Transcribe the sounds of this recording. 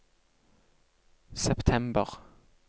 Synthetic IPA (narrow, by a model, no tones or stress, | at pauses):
sɛpt̪ʰɛmbə̰ʁ